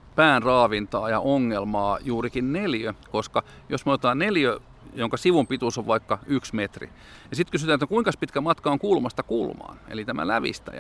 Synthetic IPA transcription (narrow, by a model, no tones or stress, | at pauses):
pæːnrɑːʋint̪ɑːjɑ̰ʔoŋːelmɑːjuːrikinneljøkoskɑ | josmoet̪ɑːnneljø | joŋkɑsiʋumpit̪usoʋʋɑikːɑyksmet̪rḭ | jɑsit̪kysyt̪æːnet̪nækuiŋkɑspit̪kæmɑt̪kɑoŋkuːlmɑst̪ɑkuːlmɑ̰ːnḛlit̪æmæ̰læ̰ʋḭst̪æ̰jæ̰